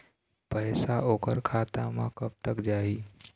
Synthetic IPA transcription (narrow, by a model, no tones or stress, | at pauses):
pəɦjsaʔokəɾkʰat̪amãkəp̚t̪əkd͡ʒaɦiː